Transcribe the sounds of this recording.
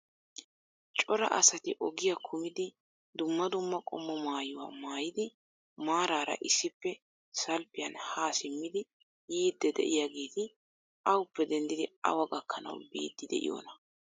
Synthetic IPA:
t͡ʃʼɔɾɐ̰ʔɐ̰sɐt̪ɪʔɔɡɪjakʰʊmɪd̪ɪ | d̪ʊmːɐd̪ʊmːɐkʼɔ̰mːɔmaːjʊwa̰ːmaːjɪd̪ɪ | maːɾaːɾɐ̰ʔɪsːɪpːɛ | sɐlpːɪjɐnhaːsɪmːɪd̪ɪ | jiːd̪ːɛd̪ɛ̰ʔɪjaɡeːt̪ɪ | ɐwʊpːɛd̪ɛnd̪ɪd̪ɪɐ̰wɐɡɐkːɐnɐ̰wbḭːd̪ːɪd̪ɛ̰ʔɪ̰jo̰ːnɐ

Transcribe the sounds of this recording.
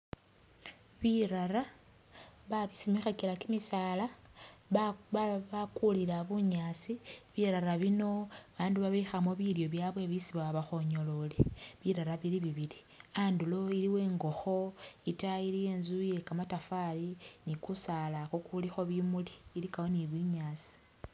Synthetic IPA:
βiɾaɾa | βaβisimixakilakimisaːla | βakulilaβuɲaːt͡siβiɾaɾaβino̞aβaːnduβaβexamoβiljo̞βjaβwe̞βisiβaβaxo̞ɲo̞lo̞leβiɾaɾaβiliβiβili | andulo̞iliwe̞ːŋɡo̞xo̞itailije̞ːnzuje̞kamatafalinikusalakokulixo̞βimuliːlikawoniβiɲaːt͡si̥

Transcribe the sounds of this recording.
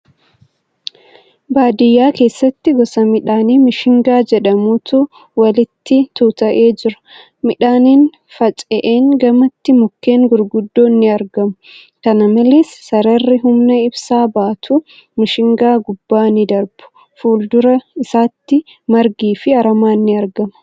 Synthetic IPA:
baːd̪ɪjːaːke̞ːsːɐt̪ːɪɡɔsɐmɪᶑaːniːmɪʃɪŋɡaːd͡ʒɛᶑɐmuːt̪ʰuː | wɐlɪt̪ːɪt̪uːt̪ɐʔeːd͡ʒɪɾɐ̥ | mɪᶑaːniːn | fɐt͡ʃʼɛʔeːŋɡɐmɐt̪ːɪmʊkːe̞ːŋɡʊɾɡʊd̪ːo̞ːnːɪɐɾɡɐmʊ̥ | kɐnɐmɐleːsːɐɾɐrːɪɦʊmnɐɪbsaːbaːt̪ʰuː | mɪʃɪŋɡaːɡʊbːaːnɪd̪ɐɾb̥ʊ̥ | fuːld̪ʊɾɐɪsaːt̪ːɪ | mɐɾɡiːfɪɐɾɐmaːnːɪɐɾɡɐmɐ̥

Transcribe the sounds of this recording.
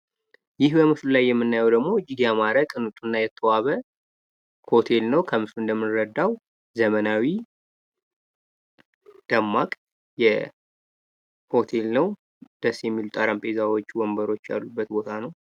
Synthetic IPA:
jɪhbəmɨflulajːɛmːɨnːajɛwd̪əɡmo̞d͡ʒid̪ijamaɾəkʼɨnɨt̪ʼunːajɛt̪ʰːəwaβə | ho̞t̪ʰe̞lnəwkʰəmɨfluɨnd̪əmːɨnɾəd̪ːaw | zəmənawi | d̪̥əmːakʼ | jɛ | ho̞t̪ʰe̞lnəw | d̪̥əsːjɛmːilut̪ʼaɾampʼezawo̞t͡ʃːwombəɾo̞t͡ʃːa̰lːubːət̪bo̞t̪ʰanəw

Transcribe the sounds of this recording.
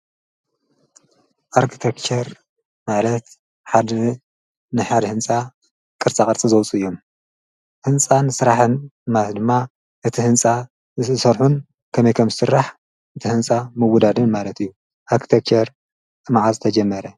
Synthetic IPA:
ʔaɾkʰi̥t̪ʰekt͡ʃʰɐɾ | malɐt̪ | ħad̪ | nɨħad̪hɨnt͡sʼa | kʼɨɾt͡sʼakʼɨɾt͡sʼizɐwt͡sʼɨɨjːo̞m | hɨnt͡sʼansɨɾaħɨnmat̪d̪ɨmːa | ʔɨt̪ʰihɨnt͡sʼa | ɨsɐɾħun | kʰɐmɐjkʰɐmzɨsɨrːaħ | ʔɨt̪ʰihɨnt͡sʼamɨwud̪ad̪ɨnmalɐt̪ɨjːu | ʔaɾkʰi̥t̪ʰekt͡ʃʰɐɾ | t̪ʼɨmʕazɨt̪ʰɐd͡ʒɐmːɐɾɐ

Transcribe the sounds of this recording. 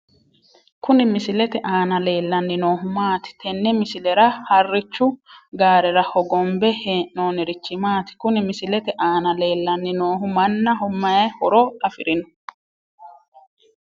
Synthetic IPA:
kʊnɪmɪsɪlɛt̪ɛʔaːnɐle̞ːlːɐnːɪno̞ːɦʊmaːt̪ɪ̥t̪ɛnːɪmɪsɪlɛɾɐhɐrːɪt͡ʃːʊɡaːɾɛɾɐhɔɡɔmbɛheno̞ːnɪɾɪt͡ʃːɪmaːt̪ɪ̥kʊnɪmɪsɪlɛt̪ɛʔaːnɐle̞ːlːɐnːɪnoːɦʊmɐnːɐɦʊmːɐjɐhɔɾɔɐfɪ̰ɾɪnɔ̥

